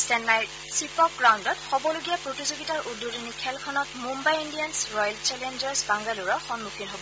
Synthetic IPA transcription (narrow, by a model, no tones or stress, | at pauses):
stɛnːaj | sipɔk̚ɡɹawndɔtxɔbɔloɡijapɹotizoɡitaɹʔududinikʰɛlkʰɔnɔtmumbajindijansɹɔjlt͡ʃɛlɛnd͡ʒɛɹsbaŋɡaluɹɔxɔnmukʰinɦobɔ